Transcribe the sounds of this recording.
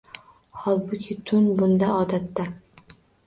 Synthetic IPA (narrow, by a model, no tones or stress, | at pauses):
hɒlˠbʊkʲʰɪt̪ʰʊnbʊnd̪aɒd̪at̪ːa